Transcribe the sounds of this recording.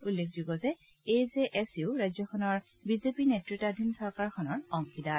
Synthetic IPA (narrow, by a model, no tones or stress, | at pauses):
ulːekʰzuɡɔzɛ | ezeʔɛsiʊɹajzɔkʰɔnɔɹ | bizepinɛtɹitadʱinsɔɹkaɹkʰɔnɔɹɔŋkʰida